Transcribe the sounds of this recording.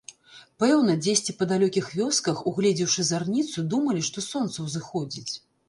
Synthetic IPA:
pɛwnɐd͡zʲesʲt͡sʲipɐd̪alʲɔkʲixvʲɔskɐxuɣlʲɛd͡zʲiwʂɨzarnʲit̪sud̪umɐlʲiʂt̪ɔsɔnt̪sɐwzɨxɔd͡zʲit͡sʲ

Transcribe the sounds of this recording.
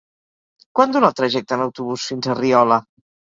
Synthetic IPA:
kwand̪unat̪ɾəʒɛk̚t̪ənawt̪uβusfinzəriɔlə

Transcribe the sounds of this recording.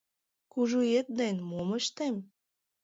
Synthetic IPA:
kuʒuet̪̚d̪enmoməʃt̪em

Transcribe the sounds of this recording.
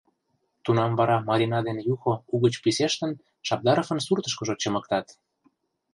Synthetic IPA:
t̪unɑmvɑɾɑmɑɾʲinɑd̪enjuxouɣət͡ɕpiseʃt̪ə̆n | ʃɑp̚d̪ɑɾofə̆nsurt̪ə̆ʃkə̆ʒot͡ɕɤ̆mə̆k̚t̪ɑt̪

